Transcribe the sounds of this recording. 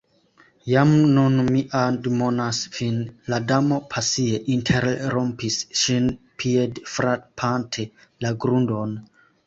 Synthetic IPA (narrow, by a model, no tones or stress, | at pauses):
jamnunmiʔandmonasvinladamo̞pʰasieʔintʰeɾɾompisʃinpʰiedfɾapʰantʰelaɡɾundo̞n